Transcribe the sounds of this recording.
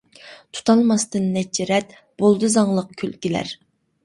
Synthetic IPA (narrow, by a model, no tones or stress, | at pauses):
t̪ʰu̥t̪ʰɑlˠmɑst̪ɨnːɛt͡ʃʰːɪɾɛt̪ | b̥olˠd̪ɨzɑŋlˠəq̚kʲʰølkʲilæ̰ɾ